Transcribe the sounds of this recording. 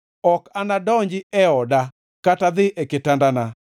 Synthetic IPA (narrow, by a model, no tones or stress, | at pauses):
ɔkanadɔɲd͡ʒɪɛɔda | katad̪ɪʔɛkɪtandana